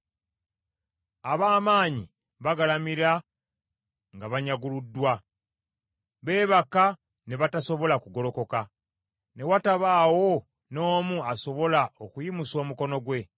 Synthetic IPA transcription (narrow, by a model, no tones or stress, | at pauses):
aβaːmaːɲḭ | βaɡalamiɾa | ŋɡaβaɲaɡuludːwa | βe̞ːβaka | ne̞βataso̞βo̞lakuɡo̞lo̞ko̞ka | ne̞wataβaːwo̞ | no̞ːmuaso̞βo̞laokujimuso̞ːmuko̞no̞ɡwe̞